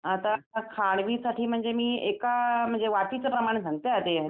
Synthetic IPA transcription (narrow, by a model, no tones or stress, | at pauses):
at̪akʰaɽ̃ʋisaʈʰiːm̤əɳd͡zemiːekam̤əɳd͡zeʋat̪it͡səpɾəmaɽ̃es̬ãŋɡt̪eat̪e